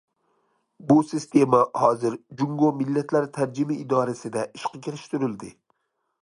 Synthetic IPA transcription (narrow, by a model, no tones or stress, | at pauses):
busɪst̪ʰe̞mahɒzɪɾd͡ʒʊŋɡomɪlːat̪ʰlaɾt̪ʰaɾd͡ʒɪmɪːd̪ɒɾasɪd̪aʔɪʃqʰɑkʲʰɪɾɪʃt̪ʊɾɪld̪ɪ